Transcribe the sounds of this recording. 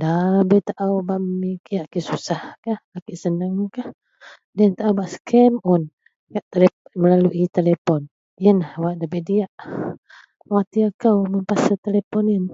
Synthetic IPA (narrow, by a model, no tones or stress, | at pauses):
dabet̪aʔawbaʔmmikiaʔkisusahkahakiʔsənəŋkah | dənt̪aʔawbaʔsə̥kʰɛmɔn | kaʔt̪eleməlaluʔit̪elepɔn | jənahwaʔdabediaʔ | wat̪iakawməmpasat̪elepɔnin